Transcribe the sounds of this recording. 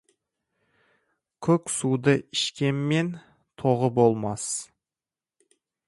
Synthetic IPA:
kʲʰɵkʲsud̪əɪʃkʲe̞mme̞n | t̪ʰoʁəbolˠmɑs

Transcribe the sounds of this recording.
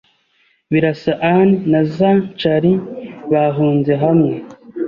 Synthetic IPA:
βiɾasaʔannazat͡ʃaɾiβaɦuːnze̞ɦamŋe

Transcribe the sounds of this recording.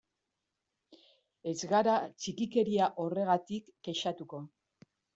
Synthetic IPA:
e̞zɣaɾat͡ʃikike̞ɾiaʔo̞re̞ɣat̪ikːe̞ʃat̪uko̞

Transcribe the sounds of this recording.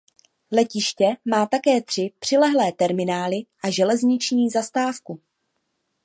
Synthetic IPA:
lɛcɪʃcɛmaːt̪akɛːt̪r̥ɪpr̝̥ɪlɛɦlɛːt̪ɛɾmɪnaːlɪʔaʒɛlɛzɲɪt͡ʃɲiːzast̪aːfku

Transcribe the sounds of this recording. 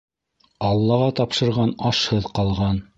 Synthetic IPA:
ɑlˠːɑʁɑt̪ɑpʃɤ̆ɾʁɑnɑʃhɤðqɑlˠʁɑn

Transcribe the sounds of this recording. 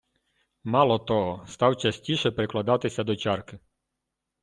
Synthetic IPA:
mɑlˠɔt̪ɔɦɔst̪ɑwt͡ʃɐsʲtʲiʃɛpɾɪklˠɐd̪ɑt̪ɪsʲɐd̪ɔt͡ʃɑrkɪ

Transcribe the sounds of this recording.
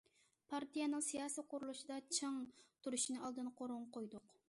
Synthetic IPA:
pʰɑɾt̪ʰijɛnɨŋsijɑːsijqʰʊɾulˠuʃid̪ɑt͡ʃʰɨŋt̪ʰuɾuʃinɨɑlˠd̪ɨnqʰoɾʊŋqʰojd̪ʊq

